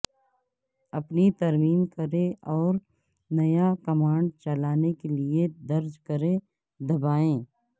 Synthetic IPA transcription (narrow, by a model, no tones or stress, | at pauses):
ɐpnit̪ɐɾmiːmkɐɾẽɔːɾ | nɐjakɐmaːɳɖ̚t͡ʃɐlaːnekelied̪ɐɾd͡ʒkɐɾẽ | d̪ɐbaːẽː